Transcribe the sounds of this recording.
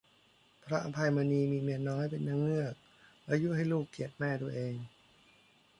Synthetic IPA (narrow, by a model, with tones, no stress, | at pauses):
pʰɾa˦˥ʔa˧pʰa˧jmaː˧niː˧miː˧mi˧˩ənnːɔː˦˥jpe˧nːaː˦˥˩ŋnɯ˥˩ək̚ | laː˦˥ju˦˥˨ɦa˥˩jluː˥˩kʰːi˨˩ət̪̚mɛː˥˩t̪u˧ɐʔeː˧ŋ